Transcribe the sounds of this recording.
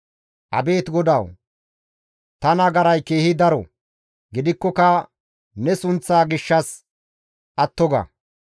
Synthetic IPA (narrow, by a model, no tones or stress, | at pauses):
ʔɐ̰be̞ːt̪ɡɔd̪ɐw | t̪ɐnɐɡɐɾɐjke̞ːhɪd̪ɐɾɔ̰ | ɡɪd̪ɪkːɔkɐ | nɛsʊnt͡sːaːɡɪʃːɐs | ʔɐt̪ːɔɡɐ̰